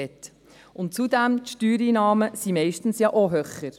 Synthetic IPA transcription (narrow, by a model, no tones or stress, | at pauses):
ɛt | ʊnt̚t͡sud̪æmtʃtyːɾiːnɑːməsimɛɪʃtn̩sjɑʔoɦøχəɾ